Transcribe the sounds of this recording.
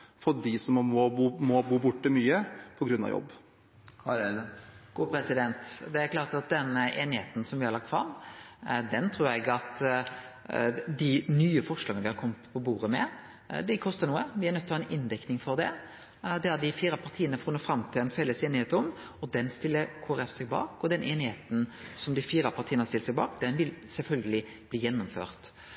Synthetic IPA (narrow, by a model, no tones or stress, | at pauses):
fɔɖɪsɔmmɔuːmɔbuːbʊʈːəmyːəpʰɔɡɾʉnːɑ̰ʋjɔ̰bː | ɡ̥uːpʰɾɛsɪd̪ɛnt̪d̪ɛæɾkʰlɑːʁt̪ɑt̪̚d̪ɛnːəʔeːnɪhḛːt̪n̩sɔmʋɪhɑɾɭɑk̚t̪fɾɑmː | d̪ɛnt̪ʰɾuːɾɛɡɑt̪ | d̪ɪnyːəfɔʂlɑːɡənəʋɪhɑɾkʰɔmːət̪pʰɔbuːɾəmɛ | d̪ɛkʰɔst̪əɾnuːəʋɪæɾnœt̪ːɔhɑːɛnɪnd̪ɛknɪŋfɔɾd̪ɛ | d̪ɛɑd̪ɪfiːɾɑpʰɑʁt̪ʰiːənəfɾʊnəfɾɑmt̪ʰɪlɛnfɛlːəseːnɪhet̪əɔm | ɔd̪ɛnst̪ɪlːəkʰoːɾɛfsɛɡ̚bɑ̰ːkɔd̪ɛnʔeːnɪheːt̪n̩sɔmd̪ɪfiːɾɑpʰɑʁt̪ʰiːənhɑsɪlt̪sɛɡ̚bɑ̰ːkd̪ɛnʋɪlsɛlfœlɡəlɪ | b̥liːjɛnːʊmfø̰ːʁt̪